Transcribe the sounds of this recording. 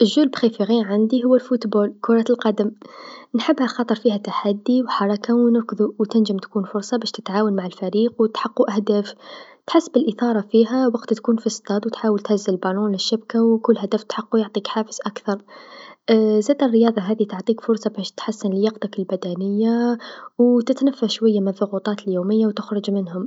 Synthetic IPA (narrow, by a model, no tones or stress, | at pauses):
ʔəʒːʊlbxifiɣinʕand̪iɦʊwːælfut̪bolkʊɾˤɑt̪əlqɑd̪əmnħəbːhælxɑt̪ˤəɾˤfihæt̪ːaħad̪ːiwħɑɾˤɑkawnəɾkəðuwt̪ɪnʒəmt̪kuːnfʊɾsˤɑbæʃt̪ə̥t̪ʕaːwanmaʕalfæɾiːqwt̪ħɑqːuʔæhd̪æːf | t̪ħasːbəlʔəθɑɾˤɑfiɦæwɑqt̪t̪kuːnfist̪ˤɑd̪wt̪ħaːwlt̪hazːəllbɑlunlɪʃːɪb̚kawkʊlːhæd̪æft̪ħɑqːujʊʕt̪ˤiːkħaːfə̥zʔakθɑɾˤ | zæːd̪ərːəjɑːðˤɑɦæːd̪it̪oʕt̪ˤiːkfʊɾsˤɑbæʃt̪ħasːənljɑqt̪akɪlbæd̪ænəjːawt̪ɪt̪næfːaʃwajːamɪnðˤʊɣut̪ˤɑːt̪əljoːməjːawt̪ʊxɾˤʊd͡ʒmɪnhʊm